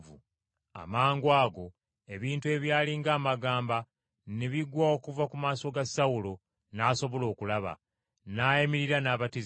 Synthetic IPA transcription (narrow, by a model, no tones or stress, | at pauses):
u | a̰maːŋɡwaːɡo̞ | e̞βiːntue̞βjaːliŋɡaːmaɡaːmba | neβiɡwaokuvakumaːso̞ɡasawulo̞ | naːso̞βo̞lo̞ːkulaβa̰ | naːjemiɾiɾanaːβatiz